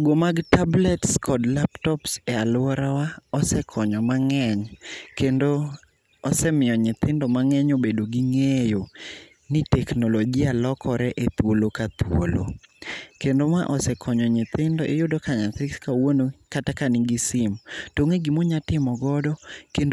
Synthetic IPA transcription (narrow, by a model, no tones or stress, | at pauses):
ɡomaɡtablɛtskʰɔdlaptɔpsɛalʊɔɾawaɔsɛkʰɔɲɔmaŋɛɲkendoː | sɛmɪɔɲɪt̪ɪndɔmaŋɛɲobedoɡiŋejo | nɪtɛknoloɡialɔkʰɔɾɛʔet̪wolokat̪wo̰lo̰kendomaʔɔsɛkʰɔɲɔɲɪt̪ɪndɔʔɪjʊdɔkaɲasɪkskawonokatakanɪɡisɪmtoŋeɡimoɲatɪmɔɡɔdɔken